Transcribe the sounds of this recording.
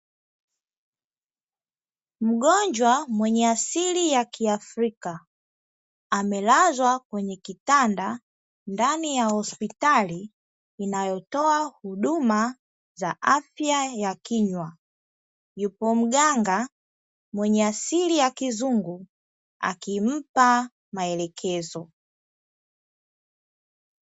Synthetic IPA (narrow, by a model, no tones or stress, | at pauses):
m̩ɠɔɲd͡ʒwamwɛɲɛasilijakiafɾika | amɛlazwakwɛɲɛkitanda | ndanijahɔspitaliː | najɔtɔahuɗuma | zaʔafjajakiɲwa | jupɔm̩ɠaŋɡa | mwɛɲɛasilijakizuŋɡu | a̰kim̩pa | maɛlɛkʰɛzɔ